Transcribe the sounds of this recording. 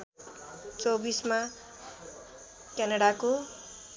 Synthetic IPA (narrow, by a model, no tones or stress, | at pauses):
t͡sobisma | kanaɽako